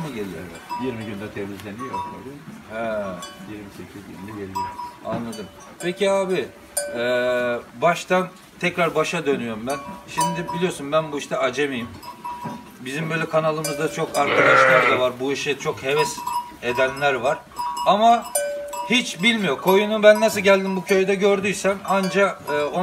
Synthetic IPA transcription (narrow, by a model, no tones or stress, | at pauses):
nɛɟelʲijo̰ | jiɾmiɟynd̪ɛt̪ʰevizlʲenijokoihɛjiɾmisecʰizɟy̰d̪ɛɟeɾijea̰nlˠad̪ɯm | pʰecʰiaːbi | ɛːbaʃt̪an | t̪ʰɛcɾaɾbaʃad̪ø̞nyjo̞ɾumbænʃimd̪ibilʲijo̞ɾsunbænbuiʃt̪ɛad͡ʒemijim | bizimbøjlʲɛkʰanalˠɯmɯzd̪at͡ʃʰo̞kaɾkʰad̪aʃlˠaɾd̪avaɾbuiʃit͡ʃʰo̞khe̞vɛs | ed̪ænlʲæɾvaɾ̥ama | hit͡ʃbilʲmijo̞kʰo̞junubænːasɯlˠɟælʲd̪imbucʰø̞jd̪ɛɟøɾd̪yjsænand͡ʒaɯːo